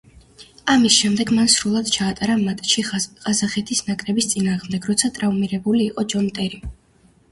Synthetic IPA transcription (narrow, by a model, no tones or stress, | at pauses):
amisʃɛmd̪ɛɡmansɾulˠad̪̥t͡ʃʰaːt̪ʼaɾamat̪ʼʃiʁʼazaχɛt̪ʰisnakʼɾɛbist̪sʼinaːʁmd̪ɛɡɾɔt̪sʰat̪ʼɾavmiɾɛbuliːqʼɔd͡ʒɔnt̪ʼɛɾi